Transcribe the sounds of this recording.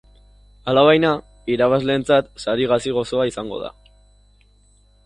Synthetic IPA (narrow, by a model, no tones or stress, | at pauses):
alaβajna | iɾaβazle̞ːnt͡sat̪saɾiɣasiɣo̞so̞aisaŋɡo̞̰ða̰